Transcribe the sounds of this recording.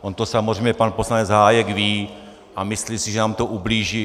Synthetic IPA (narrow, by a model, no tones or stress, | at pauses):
ʔont̪osamozrɛjmɲɛpanposlaɲɛd͡zɦaːjɛɡviː | ʔamɪslisɪʒɛnaːmt̪oʔubliːʒi